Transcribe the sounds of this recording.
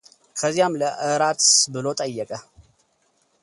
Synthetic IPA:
kʰəzijamləʔɨɾat̪bɨlo̞t̪ʼəjːəkʼə

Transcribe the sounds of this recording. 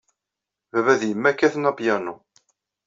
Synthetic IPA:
vævæðjəmːækːæθənɑpjænu

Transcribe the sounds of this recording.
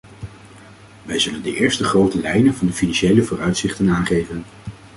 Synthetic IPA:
ʋɛjzɵləndəʔɪːɹstəχrowtəlɛjnənvɑndəfinɑnʃejləvʊːrœɥtsɪχtənaːχejvən

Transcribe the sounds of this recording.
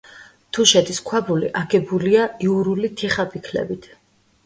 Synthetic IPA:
t̪ʰuʃɛt̪ʰiskʰwabulḭʔaɡɛbuliaiuɾulit̪ʰiχapʰikʰlɛ̰bit̪ʰ

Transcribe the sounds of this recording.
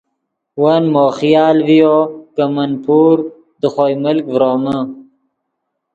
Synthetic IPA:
wanmoːxjɑːlvijokamɐnpʰuːɾ | d̪əχojməlkvɾoːmə

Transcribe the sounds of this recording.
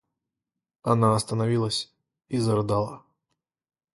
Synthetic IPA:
ɐnaɐst̪ənavʲilˠəsʲ | izɐrɨd̪alˠɐ

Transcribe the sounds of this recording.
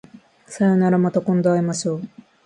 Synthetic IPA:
sajonaɾamat̪akõnd̪oaemaɕoː

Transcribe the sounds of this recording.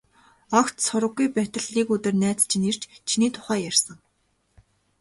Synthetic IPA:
ɔkt̪sʊɾə̆ɣːujpæt̪ə̆ɮiːkɵt̪ɘ̆rnæːt͡st͡ɕʰinir̥t͡ɕt͡ɕʰiniːt̪ʰʊ̥χæːjarsə̆ŋ

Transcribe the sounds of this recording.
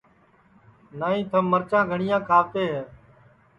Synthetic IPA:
naːĩːt̪ʰəmːəɾt͡ʃãːɡʱəɳɪjãːkʰaːʋt̪eːɦɛː

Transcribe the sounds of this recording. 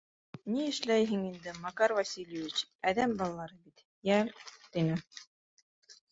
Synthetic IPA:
niɘ̆ʃlæjɦɘŋind̪ɘmɑkɑɾvɑsʲilʲjevʲit͡ɕæðæmbɑlˠɑlˠɑɾɤbit̪ | jælt̪inɘ

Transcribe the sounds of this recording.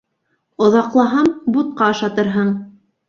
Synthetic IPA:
ŏðɑqlˠɑɦɑmbut̪̚qɑɤ̆ʃɑt̪ɤ̆ɾɦɤɴ

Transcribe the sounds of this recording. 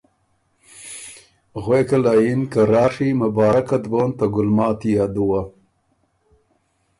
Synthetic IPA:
ɣwekalajinkaɾɑːʂimabɑːɾakat̪bont̪aɡʊlmɑːt̪ijad̪uwa

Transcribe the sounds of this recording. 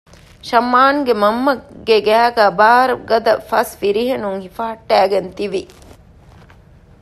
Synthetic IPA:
ʃɐmːaːŋɡemɐmːɐɡeɡæːɡæːbaːɾɐɡɐd̪ɐfɐsʋiɾiɦenuŋhifaːʈːæːɡent̪iʋi

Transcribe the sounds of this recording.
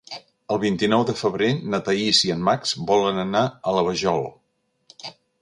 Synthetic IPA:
əlˠβint̪inɔwðəfəβɾenət̪əisiənmaksbɔlənənaələβ̞əʒɔlˠ

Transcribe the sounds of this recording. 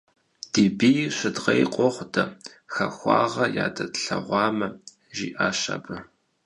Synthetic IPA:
d̥iːbijɕɪdʁɐjqʷʼɔχʷdɐ | xɐxʷɑːʁɐjaːdɐtɬɐʁʷɑːmɐ | ʒiːʔaːɕɐ̰bɨ

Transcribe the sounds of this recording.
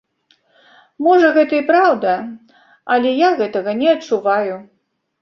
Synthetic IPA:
mɔʐɐɣɛt̪ɐipɾawd̪ɐ | ɐlʲɛjaɣɛt̪ɐɣɐnʲɛɐt͡ʂːuvaju

